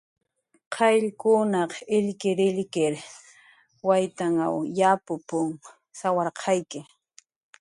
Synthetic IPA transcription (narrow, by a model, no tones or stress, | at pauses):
qʰɑjʎkʊnɑqɪʎkɪɾɪʎkɪɾ | wajt̪aŋa̰wjapʊpʊŋ | sawɑɾqʰɑjkɪ